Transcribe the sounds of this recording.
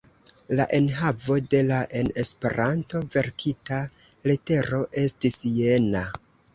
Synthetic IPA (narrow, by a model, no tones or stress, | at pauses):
la̰ʔe̞nɦavo̞de̞laʔe̞ne̞spe̞̰ɾanto̞ve̞ɾkʰita | lete̞ɾoʔe̞stisje̞na